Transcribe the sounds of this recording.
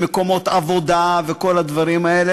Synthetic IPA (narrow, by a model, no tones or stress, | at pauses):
meko̞mo̞t̪avo̞d̪aveko̞lad̪vaʁimaele